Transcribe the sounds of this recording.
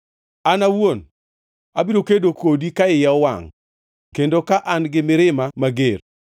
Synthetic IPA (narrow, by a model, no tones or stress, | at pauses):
anawon | abiɾokedokodikaɪjawa̰ŋ | kendokaʔanɡɪmɪɾɪmamaɡer